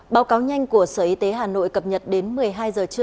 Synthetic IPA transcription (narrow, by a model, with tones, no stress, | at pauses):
ɓaː˨˦wkaː˨˦wɲa˧jŋ̟ku˧˩əsəː˧˩ʔi˧t̪e˨˦ɦaː˨˩no̰˧˨jkə˨˩p̚ɲə˨˩t̚ɗe˨˦nmɨ˨˩əjɦaː˧jzəː˨˩t͡ɕɨ˧ə